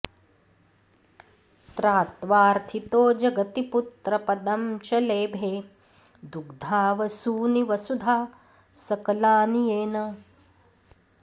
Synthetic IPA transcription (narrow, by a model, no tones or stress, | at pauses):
t̪ɾaːt̪ʋaːɾt̪ʰit̪oːd͡ʒɐɡɐt̪iput̪ɾɐpɐd̪ɐmt͡ʃɐleːbʱeː | d̪uɡd̪ʱaːʋɐsuːniʋɐsud̪ʱaː | sɐkɐlaːnijeːnɐ